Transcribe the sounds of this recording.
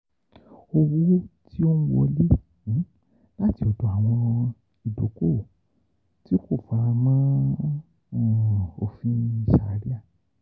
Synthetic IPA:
o˧wu˦ti˦o˦nũ˦wɔ˧le˦˨˦ | la˦ti˧o˧do˨˧˨a˨w̃ɔ̃˧ | i˨do˨˦ko˦˨ | ti˦ko˦˨fa˨˧mã˦˨ | o̰˨fĩ˦i˨ʃa˧˨˦ɾi˦a˦˨

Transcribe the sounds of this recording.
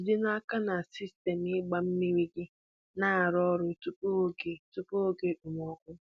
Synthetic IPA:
dɪ˦na˦ka˦na˨si˦ste˨m˨ɪ˦ɡ͡ba˨m̩˦mi˦ɾi˦ɡɪ˦ | na˦˨ɾɔ˦ɾʊ˦tu˦po˦ɡe˨tu˦po˦o˦ke˦ɗu˨mɔ˦kʷʊ˦

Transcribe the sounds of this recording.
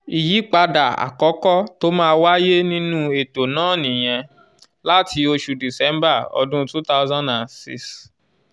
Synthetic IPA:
i˨ji˨˦k͡pa˧da˨a̰˨kɔ˨˦kɔ˦to˦mãː˦˧˦wa˦je˦nĩ˦nũ˦e˨to˨nãː˦˨nĩ˨j̃ɛ̃˧ | la˦tʰi˧o˧ʃu˧di˨sɛ˨˦mba˦˨ɔ̰˧dũ˦tu˦ta˦ʊzã˦na˨nsḭ˦s

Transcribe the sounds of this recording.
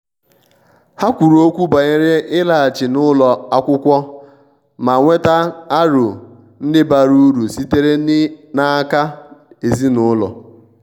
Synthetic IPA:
ha˦kʷu˨ɾu˨o˦kʷu˦ba˨ɲɪ˦ɾɪ˦ɪ˦la˨t͡ʃɪ˨nʊ˦lɔ˨a˦kʷʊ˦kʷɔ˦ | ma˨ŋʷe˦ta˦a˦ɾʊ˨ | n̩˦dɪ˦ba˨ɾu˦ɾu˨si˦te˦ɾe˦n˦na˦ka˦e˨zi˦nʊ˦lɔ̰˨

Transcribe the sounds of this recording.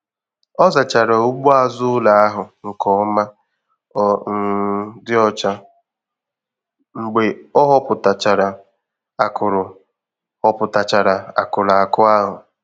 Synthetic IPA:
ɔ˦za˨t͡ʃa˨ɾa˨o˦ɡ͡bu˦a˦zʊ˦la˨a˦ɦʊ˨ŋ̩˨kɔ˨ɔ˦ma˦ | n̩˦dɪ˦ɔ˦t͡ʃa˦ | ŋ͡m̩˨ɡ͡be˨ɔ˦ɦɔ˦pʊ˨ta˨t͡ʃa˨ɾa˨ | a˨kʊ˨ɾʊ˨ | hɔ˨pʊ˨ta˨t͡ʃa˨ɾa˨a̰˨kʊ˨la˨a˨kʊ˦a˦ɦʊ˨

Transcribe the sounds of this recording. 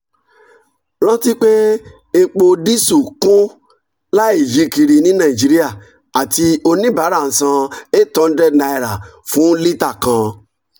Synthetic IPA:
lɔ̃˦ti˦k͡pe˦ | e˧k͡po˧di˦su˦˨kũ˦ | la˦i˦˨vi˨˦ki˧ɾi˧nĩ˨˦nã˦˨i˨d͡ʒi˨˦ɾi˦a˦˨ | a˨ti˧o˧nĩ˦ba˨˦ɾa˦˨ñ̩˨sã˧e˦˨tɔ̃˨˦˧dɛ˦na˧i˨ɾa˨fũ˨˦li˦ta˦˨kã˨˧

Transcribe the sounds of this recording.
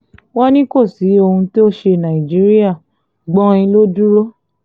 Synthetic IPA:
wɔ˦nĩ˦ko˦˨si˨˦o˧hũ˧ti˦o˦ʃe˧nã˨i˨d͡ʒi˨˦ɾi˦a˦˨ | ɡ͡bɔ̃˦ĩ˧lo˦du˦ɾo˦

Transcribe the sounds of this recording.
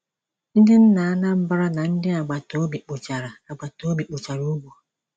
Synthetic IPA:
n̩˦dɪ˦n̩˦na˨a˦na˦m̩˦ba˦ɾa˦na˨n̩˦dɪ˦a˨ɡ͡ba˨to˨o˦bi˨k͡po˨t͡ʃa˨ɾa˨a˨ɡ͡ba˨to˨˦bi˨k͡po˨t͡ʃa˨ɾo˦ɡ͡bu˨

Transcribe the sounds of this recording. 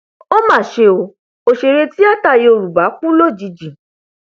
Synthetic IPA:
o˦mãː˦˨ʃe˧o˧˨ | o˨ʃe˧ɾe˧ti˦a˦˨ta˦˨je˧o˧ɾu˨ba˨˦k͡pũ˦lo˦˨d͡ʒi˨˧˦d͡ʒĩ˨

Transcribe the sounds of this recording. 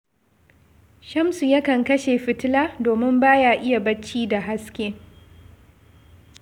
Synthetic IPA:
ʃɐ˦msu˨jɐ˦kɐ˨ŋkɐ˦ʃeː˨ɸɪ˨tɪ˦laː˦doː˨mɪ˦mbaː˦jaː˦ʔɪ˦ja˨bɐ˦t͡ʃːiː˦da˨ɦa˦skʲeː˦

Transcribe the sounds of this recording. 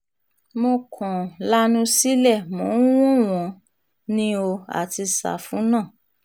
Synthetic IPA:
mo˧kʰɔ̃˨la˦nũ˦si˦lɛ˦˨mũ˨˦w̃ũ˦w̃ɔ̃˧ | nĩ˦o˧a̰˨ti˧sa̰˨fũ˨˦nãː˦˨

